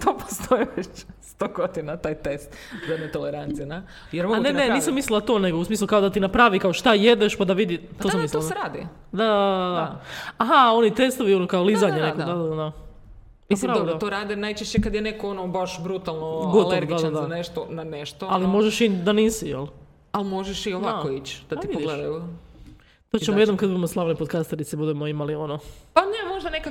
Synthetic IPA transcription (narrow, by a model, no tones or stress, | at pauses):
t̪opo̥st̪ʰojiʋet͡ɕst̪oɡod̪inat̪aːjt̪est̪ | zad̪net̪oleɾant̪sijena | jeɾmoanenneniːsamːislilˠat̪o̞ːneɡousmiːslˠukaod̪at̪inapɾaʋikaoʃt̪aje̞d̪eʃpad̪aʋid̪it̪ossamisliaɾaːd̪i | d̪ad̪aad̪ad̪aaɦao̞nit̪e̞st̪oʋionokaolizaɲenedkod̪ad̪a | apɾaʋd̪at̪oɾaːd̪enajt͡ʃeʃt͡ɕekad̪jenekoonobaʃbɾut̪alˠnoɡoaleɾdɡiad̪ad̪aneʃt̪onaneʃt̪oalimo̞ʒeʃid̪aniːsijḛl | almoʒeʃioʋakoit͡ɕd̪̥aiioɡled̪aju | t̪ot͡ɕemojenomkad̪bud̪emoslˠaʋnipokast̪eɾit̪sibud̪emoimalio̞nopanemoʒd̪anekak